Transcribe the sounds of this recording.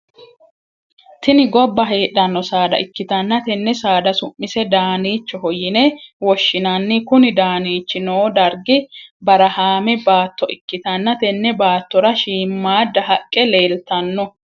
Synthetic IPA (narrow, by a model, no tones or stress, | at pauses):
t̪ɪnɪɡɔbːɐɦeːᶑɐnːɔsaːd̪ɐ̰ʔɪkːɪt̪ɐnːɐt̪ɛnːɛsaːd̪ɐsʊmːɪsɛd̪aːniːt͡ʃːɔɦɔjɪnewɔʃːɪnɐnːɪkʊnɪd̪aːniːt͡ʃːɪnoːd̪ɐɾɡɪbɐɾɐhaːmɛbaːt̪ːɔʔɪkːɪt̪ɐnːɐt̪ɛnːɛbaːt̪ːɔɾɐʃiːmːaːd̪ːɐɦɐkʼːɛleːlt̪ɐnːɔ